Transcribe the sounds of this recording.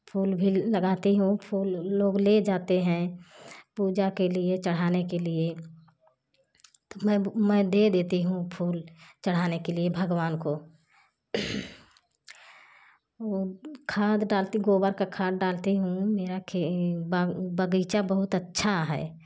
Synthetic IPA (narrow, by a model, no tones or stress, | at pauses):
pʰuːlbʱiləɡaːt̪iɦũpʰuːlːoːɡled͡ʒaːt̪eɦɛ̃ | puːd͡ʒakeliet͡ʃəɽ̤aːnekelie | t̪omɛ̃mɛ̃d̪ed̪eːt̪iɦũpʰuːlt͡ʃəɽ̤aːnekeliebʱəɡwaːnko | oːkʰaːd̪ɖaːlt̪iɡoːbəɾkakʰaːd̪ɖaːlt̪iɦũmeːɾakʰebbəɡət͡ʃabəɦʊt̪ətːʃʰaɦɛ̰ː